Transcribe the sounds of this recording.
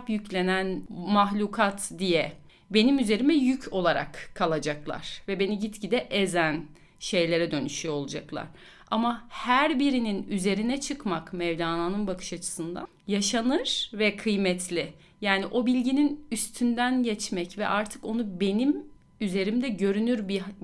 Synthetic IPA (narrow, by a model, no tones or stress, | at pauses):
pjyclʲe̞nænmaxlʲukʰat̪d̪ijɛ | be̞nimyze̞ɾimɛjycʰo̞lˠaɾa̰kʰːalˠad͡ʒaklˠa̰ɾ̥vɛbe̞niɟit̪cid̪ɛʔezæn | ʃe̞jlʲe̞ɾɛd̪ø̞nyʃyo̞lˠd͡ʒaklˠa̰ɾ̥ | a̰mahæɾbiɾininyze̞ɾinɛt͡ʃʰɯkmakmɛjd̪aːnaːnɯnbakʰɯ̥ʃat͡ʃʰɯ̥sɯnd̪a̰ | jaʃanɯɾ̥vɛkʰɯjmɛt̪ʰlʲɪ | jaːniʔo̞bilʲɟininyst̪ʰynd̪ænɟɛt͡ʃmɛcvɛ̰ʔaɾt̪ʰɯ̥ko̞nube̞nim | yze̞ɾimd̪ɛɟø̞ɾynyɾbi